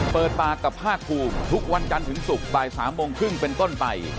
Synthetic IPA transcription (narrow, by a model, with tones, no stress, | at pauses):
pɤː˨˩t̪̚p̪aː˧˩kːa˨˩pʰːaː˥˩kʰːuː˧mt̪ʰu˦˥k̚wa˧nt͡ɕa˧nt̪ʰɯ˩˦ŋsu˨˩k̚baː˨˩jsaː˩˦mːoː˧ŋkʰɾɯ˥˩ŋpe˧nt̪o˥˩npa˧j